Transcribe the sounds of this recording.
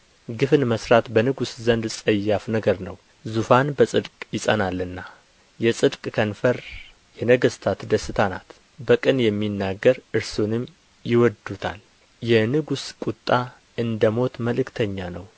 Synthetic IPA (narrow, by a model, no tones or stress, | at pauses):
ɡɨfɨnməsɾat̪bənɨɡuszənd̪sʼəjːafnəɡəɾnəw | zufanbəsʼɨd̪kʼjɪsʼə̰nalːɨnːa | jɛsʼɨd̪kʼkʰənfəɾ | jɛnəɡəst̪ʰat̪d̪əsɨt̪ʰana̰t̪ | bəkʼɨnjɛmːinːaɡːəɾɨɾsonɨm | jɪwɔd̪ut̪ʰa̰l | jɛnɨɡuskʼut̪ʼːa | ɨnd̪əmo̞t̪məlɨkt̪ʰəɲːanəw